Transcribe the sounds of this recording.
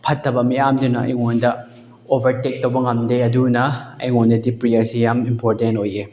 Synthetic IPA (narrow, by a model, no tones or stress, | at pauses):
pʰɐtːɐbɐmijamdunɐɐ̰jŋondɐ | obʱɐɾtek̚tɐwbɐŋɐmdeɐdunɐɐjŋondɐdipɾiɐɾsijamimpoɾtentoje